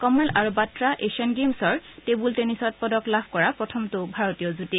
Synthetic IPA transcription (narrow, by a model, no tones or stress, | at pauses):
kɔmɛlaɹubatɹaʔesiɔnɡemsɔɹtebultenisɔt̚pɔdɔklabʱkɔɹapɹɔtʰɔmtʊbʱaɹɔtijɔzuti